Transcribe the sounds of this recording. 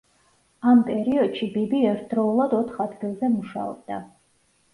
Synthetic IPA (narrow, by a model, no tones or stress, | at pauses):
ampʼɛɾiɔd̪ʃibibiɛɾt̪̚ʰd̪ɾɔulˠad̪ɔt̪ʰχad̪ɡilˠzɛmuʃa̰ɔ̰b̚d̪a